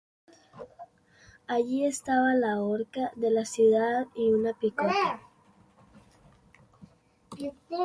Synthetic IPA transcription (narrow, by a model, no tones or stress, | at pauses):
aʝie̞st̪aβalaoɾkaðe̞lasjuðaðiunapikot̪a